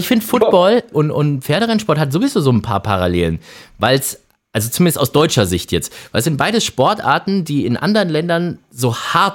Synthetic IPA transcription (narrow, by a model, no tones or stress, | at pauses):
ɪçfɪndəfʊt̚b̥ɔlʔʊntʔʊntfeːɐɾəʁanʃpɔɐthatzoːvizoːzoːnpʰa̰ːɐpʰa̰ʁaleːlənvaɪls | ʔalzot͡sumɪndəstʔa̰ʊsd̥ɔʏt͡ʃɐzɪçtjɛt͡stv̥aɪlɛsz̥ɪnt̚b̥aɪɾəʃpɔɐtʔa̰ːɐtn̩diːɪnʔa̰ndəʁənlɛndɐnzoːhaɐt